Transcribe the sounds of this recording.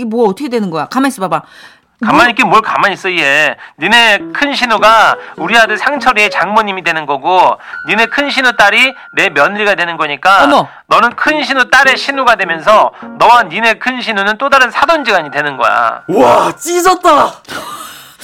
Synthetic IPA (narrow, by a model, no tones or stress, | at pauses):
ɡemoaʌt͈ʰʌkʰedwe̞nɯnɡʌjakamas͈ɯbaba | kamaɲik͈emʌɭkamaɲis͈ʌie̞nine̞kʰɯnɕʰinuɡauɾiɦadɯɭsʰaŋt͡ɕʰʌɾie̞t͡ɕaŋmʌɲimidwe̞nɯnɡʌɡonine̞kʰɯnɕʰinut͈aɾi | ne̞mjʌnɾiɡadwe̞nɯnɡʌɲik͈a | nʌnɯnkʰɯnɕʰinut͈aɾe̞ɕʰinuɡadwe̞mjʌnsʰʌnʌwanine̞kʰɯnɕ̬ʰinunɯnt͈odaɾɯnsʰadond͡ʑiɡaɲidwe̞nɯnɡʌ̰ja̰wat͡ɕ͈isʌt̚t͈a